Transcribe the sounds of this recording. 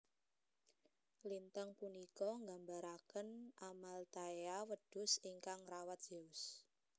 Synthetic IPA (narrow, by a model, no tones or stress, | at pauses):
lint̪aŋpunikɔŋɡambaɾakənʔamalt̪aeawəd̥ʊ̤siŋkaŋrawat̪̚d͡ʒ̥eʊs